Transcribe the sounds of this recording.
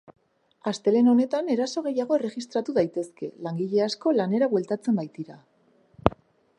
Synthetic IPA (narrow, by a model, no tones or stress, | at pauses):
ast̪e̞le̞no̞ne̞t̪ane̞ɾaso̞ɣ̞e̞jaɣ̞o̞ere̞ɣist̪ɾat̪uðajt̪e̞ske̞̰laŋɡiʎe̞asko̞lane̞ɾaβwe̞lt̪at͡se̞mbajt̪iɾa